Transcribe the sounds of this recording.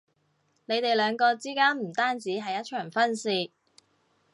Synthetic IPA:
ne˨˧jt̪e˨jlœː˨˧ŋkɔː˧t͡siː˥kaː˥nm̩˨˩t̪aː˥nt͡siː˨˥ɦɐ˨˧jːɐ˥t̚t͡ʃʰœː˨˩ŋfɐ˥nsiː˧

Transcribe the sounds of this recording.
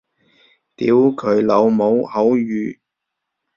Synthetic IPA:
t̪iː˨˥wkʰɵ˨˧ɥlo˨˧wmo˨˧whɐ˨˥wjyː˨˧

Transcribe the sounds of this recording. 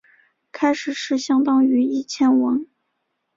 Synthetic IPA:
kʰa˥ɪʂɻ̩˨˩ʂɻ̩˥˩ɕjɑ˥ŋt̪ɑ˥ŋy˧˥i˥˩t͡ɕʰjɛ˥nwɑ˧˥ŋ

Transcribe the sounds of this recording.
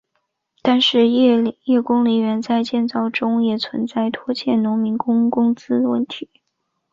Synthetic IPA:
t̪a˥˧nʂɻ̩˥˧˥jɛ˥˩kʊ˥ŋli˧˥ɥɛ˧˥nt͡sa˥˧ɪt͡ɕjɛ˥˧nt͡sɑ˥˩ʊʈ͡ʂʊ˥ŋjɛ˨˩t͡sʰwə̰˧˥nt͡sa˥˩ɪt̪ʰwɔ˥t͡ɕʰjɛ˥˩nnʊ˧˥ŋmi˧˥nkʊ˥ŋkʊ˥ŋt͡sɹ̩˥əwə̰˥˩nt̪ʰi˧˥˦

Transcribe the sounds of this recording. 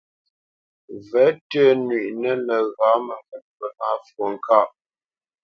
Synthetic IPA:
vɛ˨˦tə˦nɥi˨ʔnə˦lə˨ɣa˨˦mə˨vɛ˨t̚pə˦a˦fo˨ŋ˨ka˦˨ʔ

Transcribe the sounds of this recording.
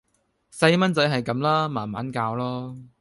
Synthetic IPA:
sɐ˧jmɐ˥nt͡sɐ˨˥jɦɐ˨jkɐ˨˧mlaː˥maː˨˩nma̰ː˨˥nkaː˧wlɔː˥

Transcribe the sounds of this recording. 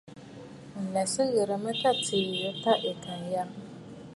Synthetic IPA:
n̩˨lɛ˨sɨ˦ɣɪ˨ɾɨ˨mɨ˦ta˦tʰi˨jə˦ta˦ʔɪ˨kʰa˨n˨ja˦

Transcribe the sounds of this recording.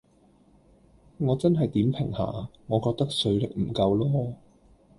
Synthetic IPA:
ŋɔː˨˧t͡sɐ˥nɦɐ˨jt̪iː˨˥mpʰɪ̰˨˩ŋha̰ː˨˩ŋɔː˨˧kɔː˧k̚t̪ɐ˥k̚sɵ˨˧ɥlɪ˨k̚m̩˨˩kɐ˧wlɔː˥

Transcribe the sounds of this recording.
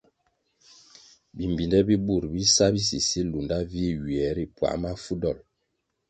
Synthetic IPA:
bi˨m˨bi˨ndɛ˦bi˦bu˦˨ɾbi˦sa˦bi˦s̬i˨si˦lu˨nda˦vi˦ɥi˨ɛ˨˦ɾi˨pwa̰˨ma˦fu˦dɔ˦˨l

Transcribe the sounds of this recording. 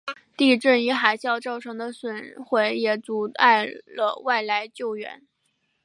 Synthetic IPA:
t̪i˥˧ʈ͡ʂə˥˩ny˧˥xa˨˩ɪɕjɑ˥˧ʊʈ͡ʂɑ˥˩ʊʈ͡ʂʰɤ˧˥ŋd̪ə˧swə˨˩nxwe˧˥ɪjɛ˨˩t͡su˨˥t̪a̰˥˧˩ɪlə̰˧˩wa˥˩ɪla˧˥ɪt͡ɕjo˥˩ʊɥɛ̰˧˥n

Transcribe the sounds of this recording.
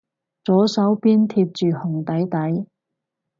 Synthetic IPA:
t͡sɔː˨˥sɐ˨˥wpiː˥nt̪ʰiː˧p̚t͡ʃyː˨hʊ˨˩ŋt̪ɐ˨˥jt̪ɐ˨˥j

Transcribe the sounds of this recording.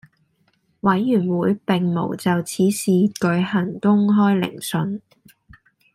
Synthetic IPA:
wɐ˨˥jːyː˨˩nwuː˨˧jpɪ˨ŋmo̰˨˩wt͡sɐ˨wt͡sʰiː˨˥siː˨kɵ˨˧ɥhɐ˨˩ŋkʊ˥ŋɦɔː˥jlɪ̰˨˩ŋsɵ˨n

